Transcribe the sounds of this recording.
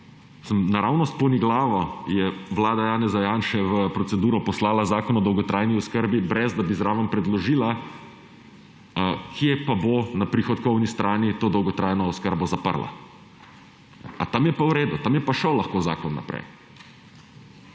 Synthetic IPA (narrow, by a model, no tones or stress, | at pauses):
səmnaɾawnɔst̪pɔniɡlaːʋɔjɛʋlaːd̪ajaːnɛzajaːnʃɛʋəpɾɔt̪sɛd̪uːɾɔpɔslaːlazaːkɔnɔd̪ɔwɡɔt̪ɾʔajniɔskəɾbibɾɛzd̪abizɾaːʋəmpɾɛd̪lɔʒiːla | kʰjepabonapɾixɔt̪kɔwnist̪ɾaːnit̪oːd̪ɔwɡɔt̪ɾaːjnɔːskəɾbɔzapə̰ɾla̰ | nɛ̰a̰t̪amjɛpawɾeːd̪ut̪amjɛpaʃəwlaxkoːza̰ːkɔnːa̰pɾɛ̰j